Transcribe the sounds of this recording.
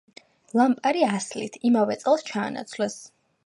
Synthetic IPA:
lˠampʼaɾiaslḭt̪ʰimavɛt̪sʼɛlˠst͡ʃʰa̰ːna̰t̪sʰlɛs

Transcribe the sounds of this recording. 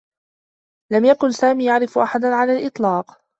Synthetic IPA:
lamjakʊnsaːmiːjaʕɾɪfʔaħad̪aʕalaːlʔɨt̪ˤlɑːq

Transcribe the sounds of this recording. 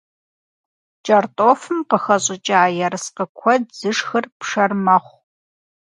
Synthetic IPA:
t͡ʃʼɐrtʼoːfɨmqəxɐɕʼɪt͡ʃʼaaːjɐɾɨsqəkʷʰɔdz̥ɨʂxɨrpʂɐrmɐχʷ

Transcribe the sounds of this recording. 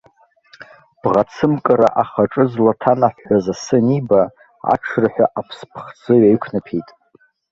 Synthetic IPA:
b̥ʁat͡sʰɨmkʼɨɾa̰ʔaχaʈ͡ʂʼɨzlatʰanaħazasɨniba | a̰ʈ͡ʂʰraħʷᶣa̰ʔapʰspʰχd͡zɨɥaikʷʰnapʰejtʼ

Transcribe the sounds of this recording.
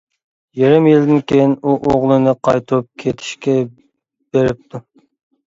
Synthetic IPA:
jeɾɪmjild̪ɪnkʲejinuʔoʁlˠɨnɨqʰɑjt̪ʰup̚kʲʰet̪ʰi̥ʃkʲʰɛ | b̥eɾɪp̚t̪ʰu

